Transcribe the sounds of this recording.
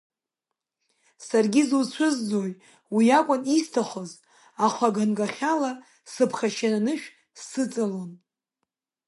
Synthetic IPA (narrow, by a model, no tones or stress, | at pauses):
sarɡʲizut͡ɕʷʰʊzd͡zo̞j | wiakʷʼʊnistʰaχʷoz | aχʷaɡanɡʼaχʲala | sɨpʰχʲaʃananɨʃᶣ | sɨt͡sʼalon